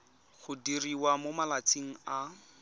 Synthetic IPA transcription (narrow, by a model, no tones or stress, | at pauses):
ɣʊdiriwamomalat͡siŋ̩a